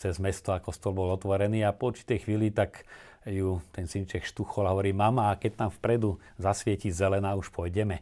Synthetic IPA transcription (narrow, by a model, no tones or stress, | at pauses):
t͡sɛzmɛst̪ɔakɔst̪ɔlbɔlɔt̪ʋɔɾɛniːapɔuɾt͡ʃi̥t̪ɛjxʋiːlit̪ak | jut̪ɛnsint͡ʃɛxʃt̪uxɔlaɦɔʋɔɾiːmamakɛc̚t̪amfpɾɛd̪u | zasʋɪɛcizɛlɛnaːuʃpʊɔjɟɛmɛ